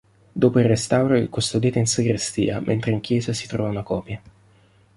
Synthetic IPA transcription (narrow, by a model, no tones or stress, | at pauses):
d̪oːpoirest̪awɾoḭkust̪od̪iːt̪einsiɡɾest̪ḭːamʔɛnt̪ɾeiŋk̟jɛːzasi̥t̪ɾɔːvaunakɔːpja